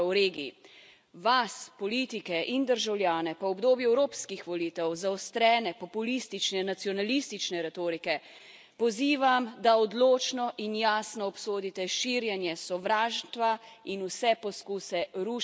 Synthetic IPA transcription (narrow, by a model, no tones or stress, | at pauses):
ɾeːɡiḭ | ʋaspɔliːt̪ikɛʔind̪əɾʒawljaːnɛpɔɔbd̪oːbjuɛwɾoːpskixʋɔliːt̪ɛwzaɔst̪ɾɛːnɛpɔpulist̪it͡ʃnɛnat̪sijɔnalist̪it͡ʃnɛɾɛt̪oːɾikɛ | pɔziːʋamd̪aɔd̪loːt͡ʃnɔʔinjaːsnɔːpsoːd̪it̪ɛʃiːɾjɛnjɛsɔʋɾaːʒt̪ʋainusɛpɔskuːsɛɾu